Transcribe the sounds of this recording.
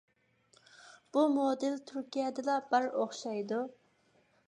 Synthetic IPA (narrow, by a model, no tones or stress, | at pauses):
b̥umod̪ɪlt̪ʰyɾkʲijɛd̪ɨlɑbæɾoχʃɑjd̪u